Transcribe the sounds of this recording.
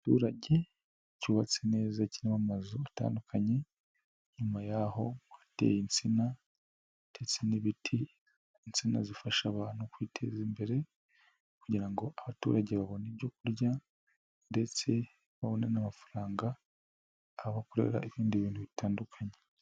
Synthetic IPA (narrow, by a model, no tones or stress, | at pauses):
atṵːɾaɟe̞ | cuβat͡sene̞ːzacinamamazoata̰ːndukʰaɲe̞ | ɲumajaho̞βate̞̰jint͡sina | tet͡seniβitʰi | nt͡sina̰zifaʃaβaːn̥hukwiːtʰe̞̰ziːmbe̞ɾe̞ | kuɟiɾaŋɡo̞ʔaβatṵːɾaɟeβaβo̞neβɟo̞k̚uɾja | nde̞t͡se̞ | βaβo̞nenamafaɾaːŋɡaː | βakoɾe̞̰ɾa̰eβiːndiβiːntuβitaːndukʰaɲe